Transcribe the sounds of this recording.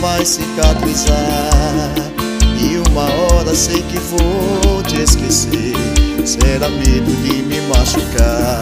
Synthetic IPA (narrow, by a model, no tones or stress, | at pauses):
vajsikat̪ɾiza | iũmɐɔɾɐsejkɪvot͡ʃɪeskese | ɾsɛɾamed̪ʊkɪmɪmaʃuka